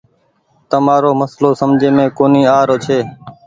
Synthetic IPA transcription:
t̪əmaːɾoːməsloːsəmd͡ʒʱeːmẽːkoːniːaːɾoːt͡ʃʰeː

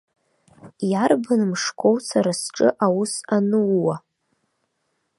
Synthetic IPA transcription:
jarbɨnmʂkʷʰʼowt͡sʰaɾasʈ͡ʂʼɨʔawusanɨwːa

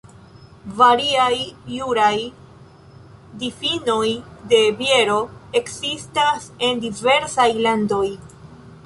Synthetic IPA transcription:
vaɾiajjuɾaj | difino̞jde̞bje̞ɾo̞e̞ksistase̞ndive̞ɾsajlando̞j

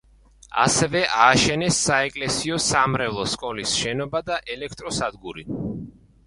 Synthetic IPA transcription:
a̰sɛvɛʔaːʃɛnɛsːaɛkʼlɛsiɔsamɾɛvlˠɔskʼɔlisʃɛnɔbad̪aʔɛlɛkʰt̪ʼɾɔsad̪ɡuɾi

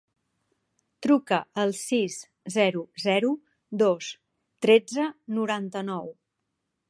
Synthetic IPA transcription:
t̪ɾukəəlˠsis | zɛɾuzɛɾu | d̪os | t̪ɾed͡zənuɾant̪ənɔw

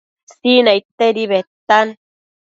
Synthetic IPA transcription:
sinait̪ːeɾiβet̪ːan

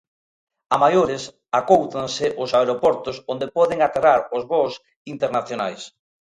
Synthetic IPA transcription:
amajoɾɪs | akowt̪aŋsɪʔʊsaeɾopɔɾt̪ʊsõnd̪epɔðɪŋat̪eraɾʊzβos | int̪eɾnaθjonajs

